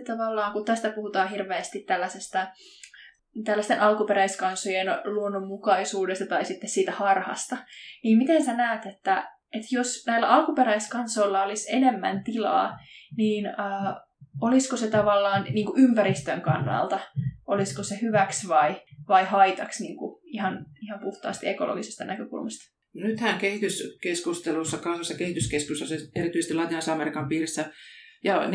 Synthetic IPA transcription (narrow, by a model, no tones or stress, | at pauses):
t̪ɑʋɑlːɑːŋkut̪æst̪æpuhut̪ɑːhirʋeːst̪it̪t̪ælːæsest̪æ | t̪ælːæst̪enʔɑlkupeɾæiskɑnsojenluonːomːukɑisuːdest̪ɑt̪ɑisit̪ːessiːt̪æhɑrhɑ̰st̪ɑniːmmit̪ensænæːt̪et̪ːæ | et̪josnæilːæ̰ʔɑlkupeɾæiskɑnsoilːɑolisenemːæ̰nt̪ilɑ̰ːniːnəː | oliskoset̪ɑʋɑlːɑːnniːŋkuʔympæɾist̪øŋkɑnːɑ̰lt̪ɑoliskosehyʋæksʋɑiʋɑihɑit̪ɑksniːŋkuihɑnihɑmpuht̪ɑ̰ːst̪iekolʔo̰ɡisest̪ɑnækøkṵlmɑst̪ɑ̥ | nyt̪hæŋkehit̪yskeskust̪elusːɑkɑsɑsːɑkehit̪yskeskust̪ːɑseerit̪ysest̪ilɑt̪inɑsɑɑmeɾikɑmpiːrisːæjɑn